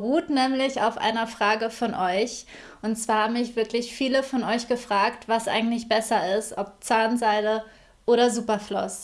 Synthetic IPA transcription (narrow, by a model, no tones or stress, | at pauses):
ʁuːtnɛːmlɪça̰ʊfʔa̰ɪnɐfʁ̥aːɡəfɔnʔɔʏç | ʔʊntt͡sv̥aːɐhaːbm̩mɪçv̥ɪɐklɪçfiːləfɔnɔʏçɡ̥əfʁ̥aːktv̥asʔa̰ɪɡŋ̩tlɪçb̥ɛsɐɪstʔɔp̚t͡saːnzaɪlə | ʔoːɾɐzuːpɐflɔ̰s